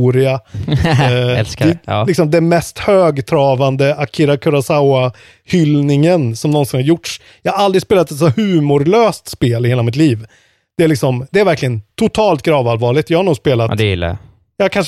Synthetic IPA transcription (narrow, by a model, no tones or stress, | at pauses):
uːɾɪa | ɛllɪksɔmd̪ɛmɛst̪høːɡt̪ʰɾɑːvand̪əakʰɪɾakʰɵɾasaʊa | hʏlnɪŋənsɔmnɔnsɪnhaɾjʊʈːʂ | jɑːhaɾald̪ɾɪspeːlat̪ɛt̪sɔhʉ̟ːmʊɾløːst̪speːlɪheːlamɪt̪̬liːv | d̪̥ɛæɭɪksɔmd̪ɛæɾvæɾklɪɡənt̪ʰʊt̪ʰɑːlt̪ɡɾɑːvalvɑːɭɪɡ̚t̪jɑːɡhaɳuːɡspeːlat̪ɪ̰lːa̰ | jɑːkʰanʂ